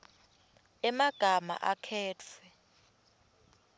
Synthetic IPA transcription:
ɛmaɡ̥ʱama̰ʔakʰɛːtʰɛ

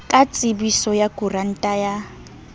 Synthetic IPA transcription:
kʼat͡sʼɪbisɔjakʼuran̩tʼaja

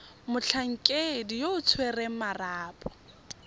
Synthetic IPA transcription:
mʊt͡ɬʰaŋ̩kʼedijoʊt͡sʰweremaraːpʼɔ̥

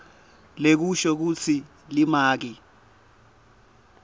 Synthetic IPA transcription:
lek̬uʃɔk̬ut͡sʰi | limaːk̬i

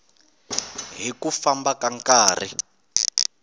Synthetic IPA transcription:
ɦikufambakaŋkaːr̤ḭ

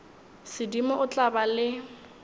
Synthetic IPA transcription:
sɪdimɔʊt͡ɬʼabalɪ

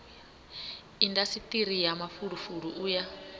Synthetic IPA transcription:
indasit̪ʼiɾijamafuɺufuɺuʔuːja

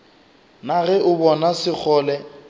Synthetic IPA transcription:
naɣɛʔʊbɔnasɪk͡xʰɔːlɛ

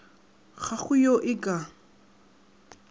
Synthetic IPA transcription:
χaχʊjoʔɪkʼa

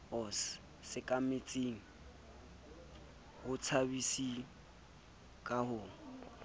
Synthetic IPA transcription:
ʊs | sɪkʼamɪt͡sʼeŋ̩ | hʊt͡sʰabisi | kʼahʊːŋ̩

